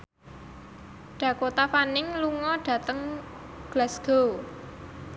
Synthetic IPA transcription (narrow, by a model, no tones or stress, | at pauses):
ɖ̥ä̤kot̪afanɪŋluŋɔɖ̥ä̤t̪əŋ | ɡ̥lasɡ̥o